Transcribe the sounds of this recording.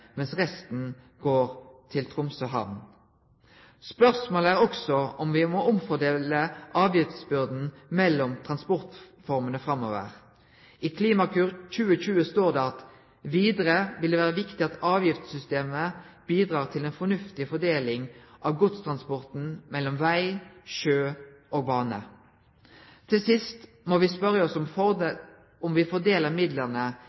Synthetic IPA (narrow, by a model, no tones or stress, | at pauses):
mɛnsʁɛst̪n̩ | ɡ̥oːʁt̪ʰɪlt̪ʰʁʊmsɔɦɑ̰ʋn | spœʁsmoːləæːʁɔksɔɔmʋɪmɔʔʊmfɔd̪eːləʔɑːʋjɪft̪sbʏʁd̪n̩mɛlːɔmt̪ʰʁɑnspɔʁt̪fɔʁmənəfʁɑmːoːʋə̰ʁ | iːkʰliːmɑkʰʉːʁc͡çʉːəçʉːəst̪oːʁd̪ɛːɑt̪ | ʋiːd̪əɾəʋɪld̪ɛʋæːɾəʋɪkt̪ɪɑt̪ɑːʋjɪft̪sʏst̪eːməb̥iːd̪ʁɑːʁt̪ʰɪlɛnfɔnʉft̪ɪfɔd̪eːlɪŋʔɑʋɡʊt̪st̪ʰʁɑnspɔʁt̪n̩mɛlːɔmʋæɪʃøːʔoːɡ̚bɑːnə̰ | t̪ʰɪlsɪst̪ | moːʋɪspœʁəɔsɔm | ɔmʋɪfɔd̪eːləʁmɪd̪ləʁnə